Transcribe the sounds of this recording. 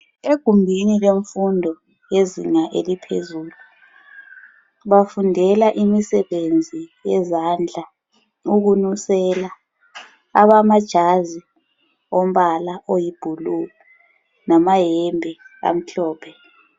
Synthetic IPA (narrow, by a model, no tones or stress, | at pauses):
eɡ̥ʱumbʱinileɱfundʱɔ | jezḭŋaʔelipʰḛzuːlu | βafundʱɛlaʔimisɛβend͡zʱijɛzand͡ɮʱa | uɣunusɛla | a̰βamad̥ʒ̥ʱazi | ɔm̩βalaʔojib̥ʱulu | namajɛmbʱɛɣa̰m̩ɬɔːpʰɛ